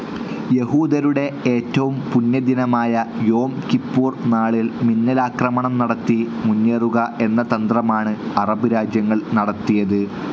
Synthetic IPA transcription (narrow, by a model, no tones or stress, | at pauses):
je̞huːd̪ɐɾuɽe̞eːtːɐʋumpunjɐd̪inɐmaːjɐjo̞ːmkipːuːrnaːɭilminːɐlaːkrɐmɐɳɐmnɐɽɐt̪ːi | munːeːruɣɐʔe̞nːɐt̪ɐnd̪rɐmaːɳɨɐrɐbɨɾaːd͡ʑjɐŋːɐɭnɐɽɐt̪ːijɐðɨ